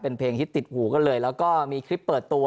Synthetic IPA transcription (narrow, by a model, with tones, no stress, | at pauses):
pe˧npʰeː˧ŋt̪ʰiː˥˩t̪i˨˩t̪̚huː˩˦kɔ˥˩nlɤː˧jlɛː˦˥wkɔː˥˩miː˧kʰɾi˦˥pːɤː˨˩t̪ːu˧